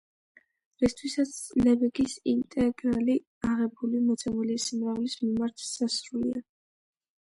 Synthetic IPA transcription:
ɾist̪ʰwisat̪sʰlɛbɛɡisint̪ʼɛɡɾali | aʁɛbulimɔt̪sʰɛmulisimʁavlismimaɾt̪ʰsasɾulḭa

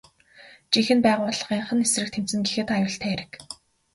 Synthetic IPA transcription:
t͡ɕixɘ̆npæːʁʊːɮə̆χiːɴχə̆nesrɘ̆k̚t̪ʰem̥t͡sɘ̆ŋɡixeːt̪ajʊːɬt̪ʰæːɾɘ̆k

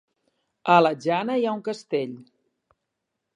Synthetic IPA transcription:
ələʒanəjauŋkəst̪eʎ

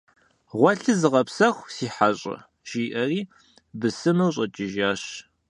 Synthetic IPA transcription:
ʁʷɔɬɨzɨʁɐpsɐxʷsiːħaɕʼɐ̰ | ʒiːʔɐriː | bɨsɨmɨwɕʼɐt͡ʃʼɪʒaːɕ

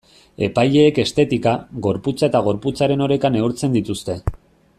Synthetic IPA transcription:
e̞pajʎe̞ːke̞st̪e̞t̪ikaɣo̞ɾput͡sae̞t̪aɣ̞o̞ɾput͡saɾe̞no̞ɾe̞kane̞uɾt͡se̞nd̪it̪ust̪e̞

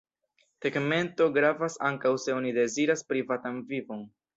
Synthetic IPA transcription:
teɡme̞nto̞ɡɾavasaŋkawse̞o̞nide̞ziɾaspɾivatanvivo̞n

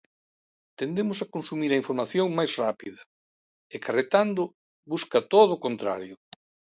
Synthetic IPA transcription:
t̪end̪emʊsakonsumiɾɐiɱfoɾmaθjoŋmajzrapiðɐ | ekʰaret̪and̪ʊ | βuskɐt̪oðʊːkont̪ɾa̰ɾjʊ

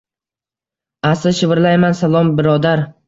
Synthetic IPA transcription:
asɪʃɪvɾlajmansalˠɒmbɪɾɒd̪aɾ

